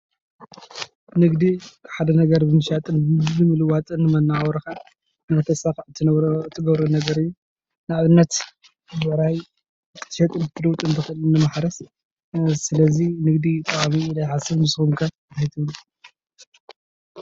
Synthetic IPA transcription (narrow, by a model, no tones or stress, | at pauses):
nɨɡd̪ikʰħad̪ɐnɐɡɐɾbɨmɨʃat̪ʼɨnzɨmɨlɨwat̪ʼɨnːɨmɐnaɾɐka | nat̪ʰɐsaxʕɨt̪ʰːɨnβɾoɨt̪ʰːɨɡɐβɾonɐɡɐɾɨjːu | nɨaβɨnːɐt̪ | wɐɾaj | kʼɨ̥t̪ʰʃɐt̪ʼɨnɨt̪ʰɨduwt̪ʼɨnt̪ʰɨxɨɨlnɨmaħɾɐs | sɨlɐzinɨɡd̪it̪ʼɐkʼamilajħasɨβnɨsxumkʰɐ | t̪ʰajt̪ʰɨwl